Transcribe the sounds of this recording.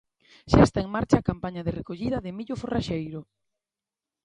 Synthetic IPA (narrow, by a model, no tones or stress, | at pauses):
ʃaest̪aeŋmaɾt͡ʃaːkampaɲɐðɪrekoʎiðɐðɪmiʎʊforaʃejɾʊ